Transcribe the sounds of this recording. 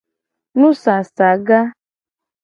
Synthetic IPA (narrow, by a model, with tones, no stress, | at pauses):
nũ˦sa˨sa˨ɡa˦